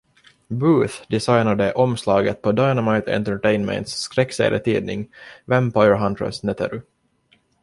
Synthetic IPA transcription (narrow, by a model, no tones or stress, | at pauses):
bʉːθd̪ɪsajnad̪əʔɔmslɑːɡə̰t̪̚pʰɔd̪aɪnamaɪt̪ʰɛ̰nt̪əʈɛɪnmɛ̰ɪnt̪sːkɾɛkːsḛːlə̰t̪ʰiːd̪nɪ̰ŋvɛmpɔjəɹɦant̪ɾə̰snɛt̪ʰə̰ɾʉ